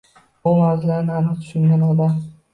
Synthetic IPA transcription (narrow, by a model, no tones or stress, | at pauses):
ʊmawzɪlaɾɪnanɨt̪ʰʊ̥ʃɪŋɡʲanɒd̪am